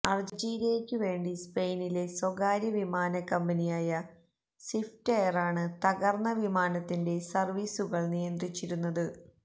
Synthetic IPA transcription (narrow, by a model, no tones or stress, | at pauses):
ɐrd͡ʑd͡ʑiːɾiɐjekʲːɨʋe̞ːɳɖispejnile̞soɣaːɾjɐʋimaːnɐkːɐmbɐnijaːjɐ | sifʈejɐraːɳɨt̪ɐɣɐrnɐʋimaːnɐt̪ːinde̞sɐrʋiːsuɣɐɭnijɐnd̪rit͡ɕːiɾunːɐðɨ